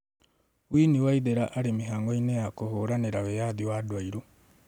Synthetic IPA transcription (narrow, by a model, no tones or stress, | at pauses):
wiːniwaiðeɾaʔaɾemiɦaːŋɡoinejakohoɾaneɾawejaðiwadwaiɾo